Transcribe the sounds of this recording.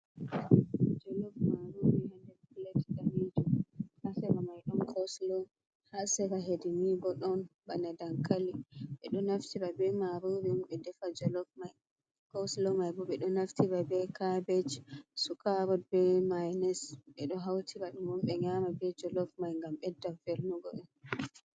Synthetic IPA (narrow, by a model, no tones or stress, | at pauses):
d͡ʒɔlɔfmaɾubɛhandɛɾkulatiɡaɾid͡ʒɔhasɛbamajɗɔnkʰɔslɔ | hasɛbaɦedinibɔɗɔnbanadaŋkaliɓɛ̰ɗɔnaftibabɛmaɾubɛmuɓɛdɛfad͡ʒɔlɔfmaj | kɔslɔmajbɔɓɛɗɔnaftʰibabɛkʰabɛd͡ʒsukaɾɔdbɛmajnɛsɓɛɗɔɦawtʰibaɗumɔmɓɛɲamabɛd͡ʒɔlɔfmajŋɡamɓɛdːafelnuɡɔɗɛn